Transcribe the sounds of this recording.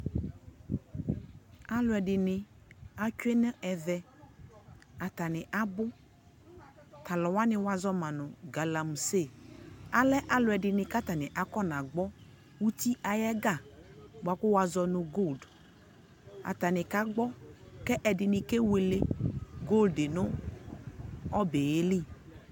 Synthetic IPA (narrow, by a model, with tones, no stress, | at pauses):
a˦lʊ˨ɛ˨ɖɪ˨nɪ̃˨ | a˦t͡ʃʊ˦e˦nɛ̃˦ɛ˨vɛ˦ | a˨t̪a˨nɪ̃˨ʔa˦bʊ˦ | t̪a˨lɔ˨wa˦nɪ̃˨wa˨zɔ˦mã˨nʊ̃˨ɡa˨la˨m˨se˦˨a˨lɛ˦ʔa˦lʊ˨ɛ˨ɖɪ˨nɪ̃˨ka˦t̪a˨nɪ̃˨ʔa˨kɔ˦nã˨ɡ͡bɔ˦ | wu˦t̪i˦ʔa˨jɛ˦ɡa˦˨ba˨kʊ˦wa˨zɔ˨nʊ̃˨ɡo˦˨ld | a̰˨t̪a˨nɪ̃˨ka˦ɡ͡bɔ˦kɛ˦ʔɛ˨dɪ˨nɪ̃˨kɛ˦we˨le˦ɡo˦˨lde˨nʊ̃˦ | ɔ˦be˨je˦li˦˨